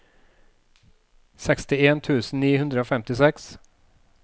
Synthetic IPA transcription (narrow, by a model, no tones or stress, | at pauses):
sɛkst̪ɪeːnt̪ʰʉ̟ːsən̩niːhɵnd̪ɾəoːfɛmt̪ɪsɛks